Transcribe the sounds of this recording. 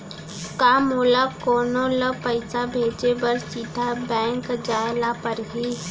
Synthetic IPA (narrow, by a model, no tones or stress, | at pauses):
kamʊləb̚koːnoləpəɪsabʱeːt͡ʃebəɾsiːd̪ʱabɛ̃ːŋkd͡ʒaːlapəɾɦiː